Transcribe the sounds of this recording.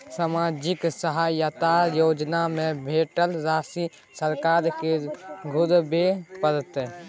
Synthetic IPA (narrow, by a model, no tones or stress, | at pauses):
samaːd͡ʒɪksəɦajət̪ajoːd͡ʒnamẽbʱeːʈəlɾaːsi | səɾkaːɾkeɡʱʊɾbepəɾt̪e